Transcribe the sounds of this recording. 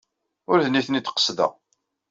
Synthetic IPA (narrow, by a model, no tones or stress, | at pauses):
ʊɾðniθnit̪ːqə̥sðə̰ʁ